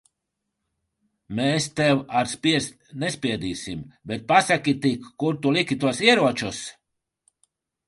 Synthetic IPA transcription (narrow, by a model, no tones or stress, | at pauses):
meːst̪ɛwaɾspʲiɛst̪ʲnespʲiɛd̪iːsimbet̪̚pasakʲit̪ikːuɾt̪ulikʲit̪uɔsiɛɾuɔt͡ʃus